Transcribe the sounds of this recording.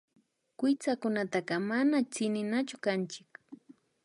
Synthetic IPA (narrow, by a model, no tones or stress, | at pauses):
kɪt͡sakʊnat̪aqɑmanat͡sɪnɪnat͡ʃʊkant͡ʃɪk